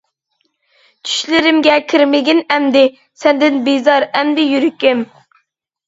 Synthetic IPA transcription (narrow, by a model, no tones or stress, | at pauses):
t͡ʃʰy̥ʃlɪɾɪmɡʲɛkʲʰiɾmɪɡʲinɛmd̪ɪ | sɛnd̪ɪnbijzɑɾɛmd̪ɪjyɾykʲɪm